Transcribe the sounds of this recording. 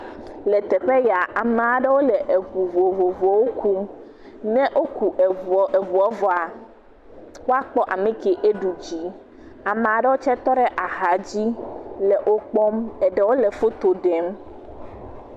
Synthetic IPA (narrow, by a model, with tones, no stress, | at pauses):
lɛ˨t̪ɛ˨ɸɛ˦ja˨ʔa˨mɛ̃˨a˨ɖɛ˦wo˦lɛ˨ʔe˨ɸu˨vo˨vo˨vɔ˨wo˦kʰu˦m | nɛ̃˦ʔo˦ku˨ʔe˨vu˨ɔ˦vɔ˨a˨ | wo˦a˦k͡pɔ˦ʔa˨mẽ˦ke˨ʔe˦ɖu˨d͡ʑi˦ | a˨mɛ̃˨a˨ɖɛ˦wo˦t͡ʃɛ˦t̪ɔ˦ɖɛ˦ʔa˨ɦa˨d͡ʑi˦lɛ˨ʔo˦k͡pɔ˦mɛ˨ɖɛ˨wo˦lɛ˨fo˦t̪o˨ɖɛ˨m